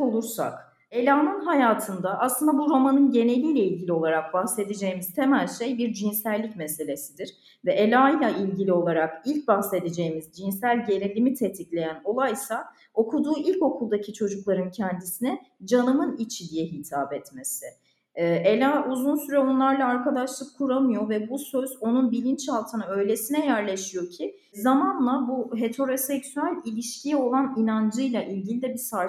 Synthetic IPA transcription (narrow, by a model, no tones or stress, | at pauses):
olˠuɾsa̰k | e̞lʲaːnɯnɦajaːt̪ʰɯnd̪aʔːslˠɯnd̪abuɾamanɯnɟe̞ne̞lʲiːlʲɛilʲɟʲilʲio̞lˠaɾak̚baxse̞d̪ed͡ʒe̞jimiz̥t̪ʰe̞mælʲʃejbiɾd͡ʒinsælʲːicmese̞lʲe̞sid̪iɾ̥ | vɛʔelʲaːlʲˠailʲɟilʲio̞lˠaɾakilʲc̚baxse̞d̪ed͡ʒe̞jimizd͡ʒinsælʲɟe̞nelʲimit̪ʰet̪ʰiclʲe̞jæno̞lˠajsa | o̞kʰud̪uːʔilʲco̞kʰulˠd̪acʰit͡ʃʰo̞d͡ʒuklˠaɾɯncʰɛnd̪isinɛ | d͡ʒanɯmɯnit͡ʃʰid̪ijɛɦit̪ʰaːbɛt̪me̞sɪː | ʔelʲaːʔuzunsyɾɛo̞nlˠaɾlˠaːɾkad̪aʃlˠɯkʰːuɾamɯjo̞vɛbusøzo̞nunbilʲint͡ʃhalˠt̪ʰɯnaø̞jlʲe̞sinɛjæɾlʲe̞ʃijo̞cʰi | zamanlˠabuɦet̪ʰo̞ɾo̞sɛksyælʲilʲiʃcʰijɛo̞lˠaninand͡ʒɯjlˠaʔilʲɟilʲid̪ɛbisaɾ